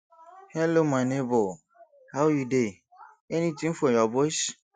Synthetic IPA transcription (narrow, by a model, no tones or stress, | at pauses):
hɛlomanebo | hawjude | ɛnĩtĩŋfɔjɔbɔs